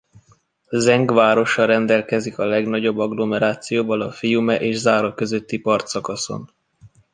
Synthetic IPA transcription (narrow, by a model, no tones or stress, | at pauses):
zɛŋɡʋaːɾo̞ʃɒɾɛnd̪ɛlkɛzikɒlɛɡnɒɟo̞bːɒɡlo̞mɛɾaːt̪sijoːvɒlɒfijumɛʔeːʒzaːɾɒkø̞zøt̪ːipɒrt̪sɒkɒso̞̰n